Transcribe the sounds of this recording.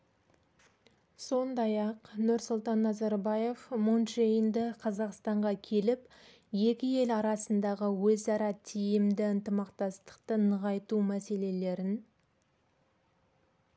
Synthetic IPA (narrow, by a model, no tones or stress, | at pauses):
so̞nd̪ɑjɑqnʊɾsʊlˠt̪ɑnːɑzɑɾbɑje̞fmonʃejənd̪ɪqʰɑzɑqst̪ɑɴʁɑkʲʰe̞lɪp | je̞kʲɪe̞lɑɾɑsənd̪ɑʁəwɵzɑɾɑt̪ʰijɪmd̪ɪənt̪əmɑqt̪ɑst̪ə̥qt̪ənəʁɑjt̪umæse̞le̞le̞ɾɪn